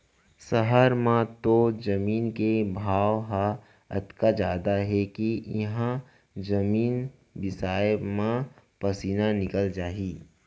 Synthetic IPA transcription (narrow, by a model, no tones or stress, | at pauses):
səɦəɾmãt̪od͡ʒɐmiːnkebʱaːʋɦa | ɐ̰t̪kad͡ʒaːd̪aɦɛkijɐɦã | d͡ʒɐmiːn | bɪsaːjmãpɐsiːnanɪkəld͡ʒaːiː